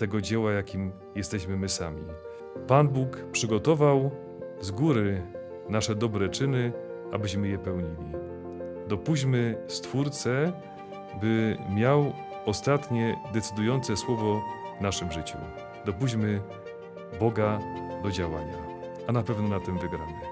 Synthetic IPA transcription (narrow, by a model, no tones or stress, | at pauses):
t̪ɛɡɔd͡ʑɛwajakʲim | jɛst̪ɛɕmɘmɘsamʲḭ | panbukpʂɘɡɔt̪ɔvaw | zɡuɾɘ | naʂɛd̪ɔbɾɛt͡ʂɘnɘ | a̰bɘɕmɘjɛpɛwɲilʲi | d̪ɔpuʑmɘst̪fuɾt̪sɛ | bɘmʲjaw | ɔst̪at̪ɲɛd̪ɛt̪sɘd̪ujɔnt̪sɛswɔvɔvnaʂɘmʐɘt͡ɕṵ | d̪ɔp̬uʑmɘ | bɔɡad̪ɔd͡ʑawaɲa | anapɛvnɔnat̪ɛmvɘɡɾamɘ